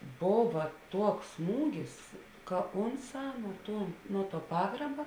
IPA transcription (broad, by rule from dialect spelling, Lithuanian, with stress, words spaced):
ˈboːʋɐ ˈtuɔks ˈsmuːɡʲɪs kɐ ˈoːnˌsɑː nuɔ ˈtuɔ ˈnuɔ ˌtuɔ ˈpɑːɡrɐbɐ